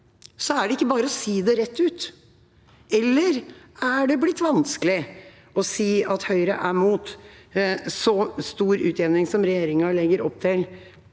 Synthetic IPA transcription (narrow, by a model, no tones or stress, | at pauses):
sɔæɖɛɪkːəbɑːɾəɔsiːd̪ɛɾɛt̪ːʉːt̪ | ɛlːəɾ | æɖɛblɪt̪ːʋɑnskəlɪ | ɔsiːɑt̪hœʏɾəʔæmuːt̪ | sɔst̪uːɾʉːt̪ɛːnɪŋsɔmɾɛjeːɾɪŋɑlɛɡːəɾɔp̚ːt̪ʰɪl